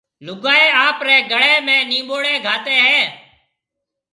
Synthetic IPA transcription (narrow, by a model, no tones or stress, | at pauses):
lʊɡaːeːaːpɾɛːɡəɽɛːmɛ̃ːnĩːɓoːɽɛ̃ːɡʱaːt̪ɛːɦɛː